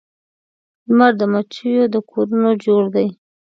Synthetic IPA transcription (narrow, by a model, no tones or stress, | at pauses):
maɾd̪əmat͡ʃəjod̪əkʰoɾunod͡ʒoɽd̪aj